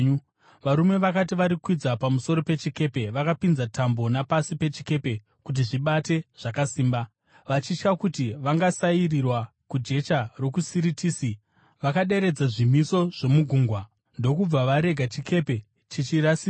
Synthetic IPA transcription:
ʋaɾume̞ʋakat̬iʋaɾikwid͡zapamuso̞ɾo̞pe̞t͡ʃike̞pe̞ʋakapinzatambo̞napasipe̞t͡ʃike̞pe̞ | kut̬iʐiɓate̞ʐ̥akasiːmba | ʋat͡ʃit͡ʃkakutiʋaŋɡasairirwa | kud͡ʒe̞t͡ʃaro̞kusiɾitiːsi | ʋakaɗe̞ɾe̞d͡zaʐimiso̞ʐ̥e̞muɡʱuːŋɡwa | ndo̞kub͡vaʋaɾe̞ɡʱat͡ʃike̞pe̞ | t͡ʃit͡ʃiɾasi

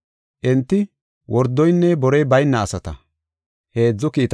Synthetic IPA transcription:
ʔɛnt̪ːɪ | wʔɔɾd̪ɔjnːɛbɔɾɛjbɐjnːɐːsɐt̪ɐ | he̞ːd͡zːɔkiːt̪

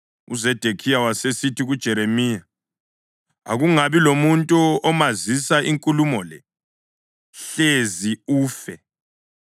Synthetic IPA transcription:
ṵzɛd̥ʱekʰijawasesitʰiɣud̥ʒ̥ʱɛɾemiːja | a̰ɣuŋaβilomuntʼuɔmazisaʔiŋkʼulumɔlɛ | ɬeziuːfɛ

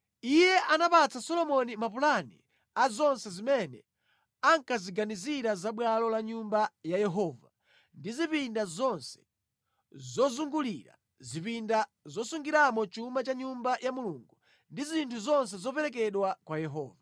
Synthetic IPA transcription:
ijɛʔanapat͡sasɔlɔmɔnimapulanḭ | azɔnsɛzimɛnɛ̰ | aŋkaziɡaniziɾazaɓwalɔlaɲumbajajɛɦɔːva | ndizipindazɔnsɛ̥ | zɔzuŋɡuliɾa̰ | zipindazɔsuŋɡiɾamɔt͡ʃumat͡ʃaɲumbajʔamuluːŋɡu | ndizintʰuzɔns̬ɛzɔpɛɾɛk̬ɛɗwakwajɛɦɔ̰ːva

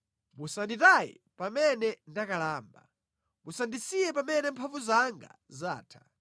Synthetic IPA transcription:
musanditajḭ | pamɛnɛndakalaːmba̰ | musandisijɛpamɛnɛmpʰaɱvuzaŋɡa̰ | zaːtʰḁ

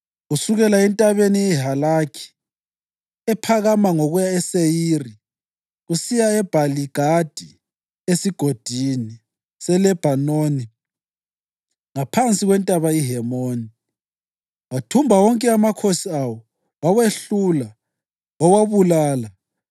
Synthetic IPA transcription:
ɣusuɣɛlaɛntʼaβenijɛɦalakʰi̥ | ɛpʰaɣamaŋoɣujaɛsejiːri | ɣusijaɛb̥ʱaliɡ̥ʱad̥ʱi | esiɡ̥ʱod̥ʱini | sɛlɛb̥ʱanoːni | ŋapʰant͡sʼiɣwɛntʼaβaiɦɛmoːni | watʰumbʱawɔŋkʼɛamakʰosiawɔ | waweɬula | wawaβulaːla

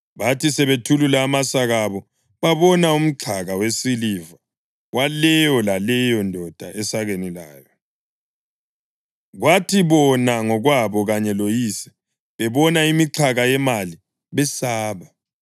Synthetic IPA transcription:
βatisɛβetʰululaːmasaɣaβɔ | βaβɔnaum̩ǁʰaɣawesiliva | walɛjɔlalɛjɔndʱɔd̥ʱaʔɛsaɣenilaːjɔ | ɣwatʰiβɔnaŋɔɣwaβɔɣaɲɛlojisɛ̥ | βɛβɔnaimiǁʰaɣajɛmali | βɛsaːβa

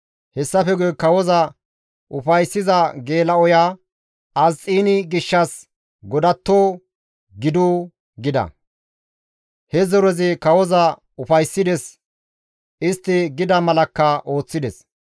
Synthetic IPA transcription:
hɛsːɐfɛɡujkɐwɔzɐ | ʔʊfɐjsːɪzɐɡe̞ːlɐɔjaː | ɐzt͡sʼːiːnɪɡɪʃːɐs | ɡɔd̪ɐt̪ːoː | ɡɪd̪uː | ɡɪd̪ɐ̰ | hɛzɔɾɔzɪkɐwɔzɐ | ʊfɐjsːɪd̪ɛs | ɪst̪ːɪɡɪd̪ɐmɐlɐkːɐʔo̞ːt͡sːɪd̪ɛs

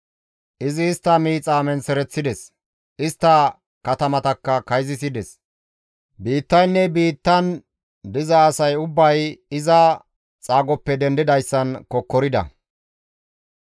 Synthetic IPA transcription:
ʔɪzɪːst̪ːɐmiːt͡sʼaːmɛnsɛɾɛt͡sːɪd̪ɛs | ʔɪst̪ːɐ | kɐt̪ɐmɐt̪ɐkːɐkɐjzɪs̬ɪd̪ɛs | biːt̪ːɐjnːɛbiːt̪ːɐn | d̪ɪzɐːsɐjʊbːɐjɪzɐ | t͡sʼaːɡɔpːɛd̪ɛnd̪ɪd̪ɐjsːɐnkɔkːɔɾɪd̪ɐ̰

